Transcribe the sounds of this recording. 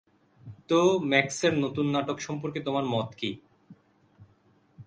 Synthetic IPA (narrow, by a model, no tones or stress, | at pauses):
t̪omɛkseɾnot̪unːaʈokʃɔmpoɾket̪omaɾmɔt̪ki